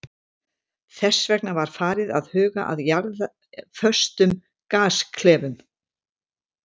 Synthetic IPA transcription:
θɛsːvɛknavaɾ̥faːɾɪðaðhʏːɣaʔa̰ðjaɾða | fœ̥st̪ʏm | kaːskʰlɛːvʏm

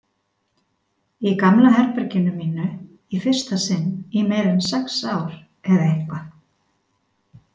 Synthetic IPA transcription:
ikamlaɦɛɾpɛɾcɪnʏmiːnʏ | ifɪr̥st̪asɪnːimeːjɾʏnsɛksaːwɾ̥ | ɛðaeŋkva

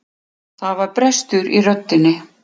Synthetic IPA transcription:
θaðvaɾpɾɛst̪ʏɾirœt̪ːɪnːɪ

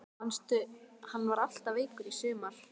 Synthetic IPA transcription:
anst̪ʏhanːvaɾal̥t̪aveːjkʏɾisʏːmal̥

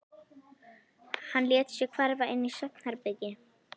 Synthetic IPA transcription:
hanljɛːt̪sʏkʰvaɾvaʔɪnːisœt̪n̥haɾpɛcɪ

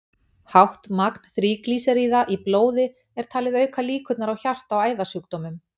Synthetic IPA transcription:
hawht̪makn̥θɾiːkliːsaɾiːðaʔiploːwðɪ | ɛɾ̥t̪ʰaːlɪðœːɥkʰaliːkʰʏt̪naɾawçar̥t̪awaːjðasʏuk̚t̪ɔmʏm

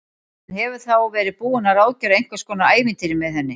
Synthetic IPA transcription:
nhɛvʏ̥θawvɛːɾɪpuːʏnaɾaːwcœɾaejŋ̥kvaskɔːnaaːjvɪnt̪ɪɾɪmɛðθɛnːɪ

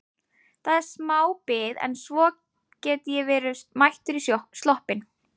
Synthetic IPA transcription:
θaðɛɾ̥smaːwpɪðɛ̰nsvɔ | cɛːt̪ɪjɛvɛːɾʏmajht̪ʏɾist̪lɔhpɪn

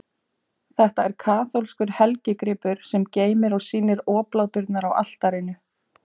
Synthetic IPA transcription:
θɛht̪aɛɾ̥kʰaːθolskʏɾ̥hɛlcɪkɾɪːpʏɾ̥sɛmceːjmɪɾɔɣsiːnɪɾɔːplawt̪ʏɾt̪naɾawa̰l̥t̪aɾɪnʏ

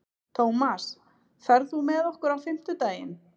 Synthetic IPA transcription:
t̪ʰowmas | fɛɾðθumɛðɔhkʏɾawfɪm̥t̪ʏt̪aːjɪ̰n

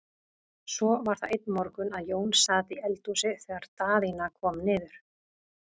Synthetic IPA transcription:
sɔvaɾ̥θaðejt̪nmɔɾkʏnaðjoːwnsaːt̪iɛlt̪usɪθɛːɣaɾ̥t̪aːðinakʰvɔːmnɪːðʏɾ̥

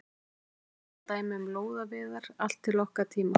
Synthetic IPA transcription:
t̪aːjmʏmloːwðavɪːðaɾal̥t̪ʰːɪlːɔhkat̪ʰiːma

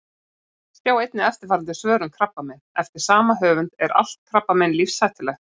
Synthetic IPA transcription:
st̪jaːwejt̪nɪɛft̪ɪɾfaːɾant̪ɪ̥svœːɾʏmkʰɾapːamɛnɛft̪ɪɾ̥saːmaɦœːvʏnt̪ɛɾa̰l̥t̪̚kʰɾapːamɛnlifsːaːjht̪ɪlɛxt̪

